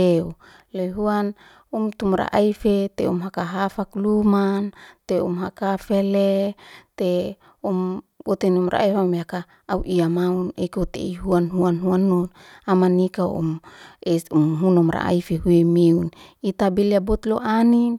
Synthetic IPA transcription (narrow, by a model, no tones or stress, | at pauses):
eu | leɦuan | umt̪umɾa̰ʔaifet̪eumɦakaɦafaklumant̪eṵmɦakafelet̪e | umbot̪enumra̰ʔifamjakaː | uʔiamaunekot̪ḛiɦuanɦuanɦuanːun | amanikaṵmeumɦunɔmɾa̰ʔa̰ifeɦuemeunit̪abeliabot̪loʔani